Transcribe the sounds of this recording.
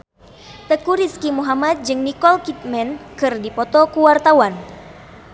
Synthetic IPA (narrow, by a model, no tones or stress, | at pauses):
t̪əkuɾiskimuɦamat̪̚d͡ʒɨŋnikɔlkit̪̚mɛnkɨrdipɔt̪ɔkuwart̪awan